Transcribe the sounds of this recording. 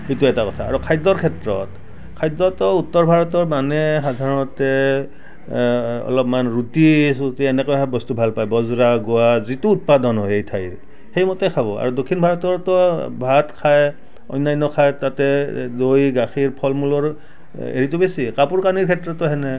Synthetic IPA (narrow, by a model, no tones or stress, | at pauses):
ituɛtakɔtʰaːɹɔkʰajdɔɹkʰɛtɹɔt | kʰajdɔtɔutːɔɹbʱaɹɔtɔɹmanɛxad̪ʱaɹɔnɔtɛ | ɔ̰lɔpmanɹutisutiɛnɛkɔjabɔstubʱalpajbɔzɹaɡʊwazituːt̚padɔnɦɔjejtʰajɹ | hejmɔtɛkʰaβɔa̰ɹudokʰːinbʱaɹɔtɔɹtɔbʱatkʰaj | ɔ̰jnajnːɔkʰajtatɛdojɡaxʰiɹpʰɔlmulɔɹ | ḛɹitʊbesikapuɹkaniɹkʰɛtɹɔtɔɦɛnɛ